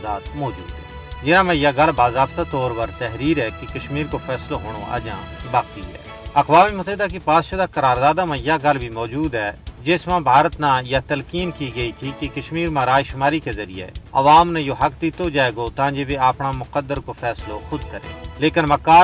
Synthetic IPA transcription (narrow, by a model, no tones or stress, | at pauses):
daːt̪mɔːd͡ʒṵːd̪ɦɛː | d͡ʒɪnãmãjaɡɐlbaːzaːbt̪at̪ɔːɾpɐɾt̪ɛɦɾiːɾɦɛkikɐʃmiːɾkopʰɛːsloɦoːɽ̃oɐ̰d͡ʒã̰ːbaːkt̪iɦɛ̰ː | ɐqʋaːmimʊsəɦɪd̪ak̬ipaːd̪ʃad̪akɐɾaːɾd̪aːd̪amãjaɡɐlbʱimɔːd͡ʒuːd̪ɦɛd͡ʒeːsmãbʱaːɾət̪nãjat̪ɐlkiːnkiɡɐit̪ʰikikɐʃmiːɾmãɾaːjʃʊmaːɾikezɐɾḭjḛːɐ̰ʋaːmnɛjoɦɐkd̪ɪt̪od͡ʒaːeːɡot̪ãːd͡ʒebeaːpɽ̃amʊkəd̪ːəɾkopʰɛːsloxʊd̪kɐɾḛ̃ːleːkɪnmɐkaː